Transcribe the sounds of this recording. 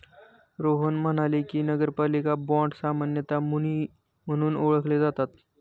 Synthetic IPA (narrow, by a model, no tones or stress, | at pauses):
ɾoɦənm̤əɽ̃alikiːnəɡəɾpalikabɔ̃ɳʈɖsamanjət̪ai | m̤əɽ̃uːnoɭəkled͡zat̪at̪